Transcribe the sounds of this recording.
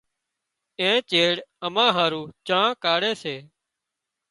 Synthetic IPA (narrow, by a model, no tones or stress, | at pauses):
ẽːt͡ʃeːɽəmãːɦaːɾũːt͡ʃəːãːkaːɽeːseː